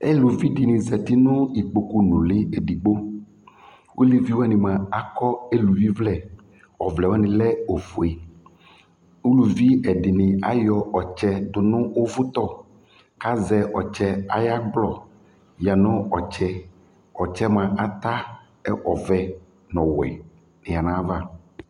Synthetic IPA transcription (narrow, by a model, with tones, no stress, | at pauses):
e˦lu˨vi˦ɖɪ˨nɪ̃˨zɛ˨t̪i˦nʊ̃˦i˨k͡po˨ku˦nʊ̃˨lɪ˦e˨ɖi˨ɡ͡bo˦ | wʔo˦li˦vi˦wo˦a˦nĩ˨mã˨a˨kɔ˦e˦lu˨vi˦vlɛ˨ | ɔ˨vlɛ˨wa˦nɪ̃˨lɛ˦o˨fu˨e˨ | u˦lu˨vi˦ɛ˨ɖɪ˨nɪ̃˨a˦jɔ˨ʔɔ˨t͡ʃɛ˦d̪ʊ˨nʊ̃˦wo˦vʊ˦t̪ɔ˦ | ka˦zɛ˨ʔɔ˨t͡ʃɛ˦a˨ja˦ɡ͡blɔ˦ | ja˨nɔ̃˦ɔ˨t͡ʃɛ˦ | ɔ˨t͡ʃɛ˦mã˨ʔa˨t̪a˦ | ɛ˦ʔɔ˨vɛ˨ | nɔ̃˨wɛ̰˨ | nɪ̃˨a˨nã˨˦va˦